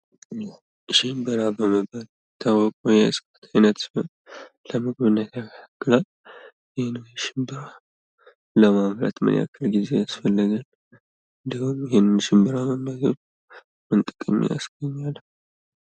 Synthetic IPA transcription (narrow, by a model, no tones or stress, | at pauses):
ʃɪmbɨɾabəməbal | t̪ʰawɔkʷʼojɛɨ̰sʼkʼət̪ʰajnət̪sɨon | ləmɨɡβɨnːət̪jakʰaakːɨla | jɪhenɨnʃɪmbɨɾa | ləmaβɾə̰t̪mə̰nʔa̰kʰːəlɡize̞jasfəlːəɡal | ɨnd̪ihumjɪhenːɨnʃɪmbɨɾaməmːazot͡ʃ | mɨnt̪ʼɨkʼɨmːḭja̰sɡəɲːalː